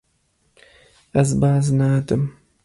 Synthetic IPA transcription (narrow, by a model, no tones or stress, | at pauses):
ɐzbaːznaːd̪ɨm